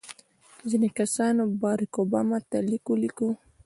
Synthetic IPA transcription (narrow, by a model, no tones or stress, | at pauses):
zinekasɑnobɑɾakobɑmɑt̪alikoliko